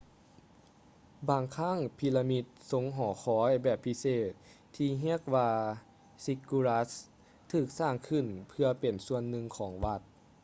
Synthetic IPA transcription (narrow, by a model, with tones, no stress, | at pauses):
baː˨˩ŋkʰa˧˥˨ŋpʰi˧la˧mi˧t̪̚so˧˦ŋɦɔː˩˦xʰɔː˨˦jbɛː˧˩pʰːi˧˥seː˨˩t̪̚ʰː | iː˧ɦi˧˥ək̚ʋaː˧ | si˧kːu˧la˧˥s | t̪ʰɯː˧˩k̚saː˧˩ŋkʰɯ˧˩npʰɯ˧ɐpe˨˩nsu˧ənːɯ˧ŋkʰɔː˩˦ŋʋa˧t̪̚